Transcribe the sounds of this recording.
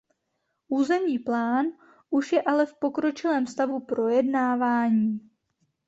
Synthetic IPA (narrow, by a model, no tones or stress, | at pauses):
ʔuːzɛmɲiːplaːn | ʔuʃjɛʔalɛfpo̞kɾo̞t͡ʃɪlɛːmst̪avupɾo̞jɛdnaːvaːɲiː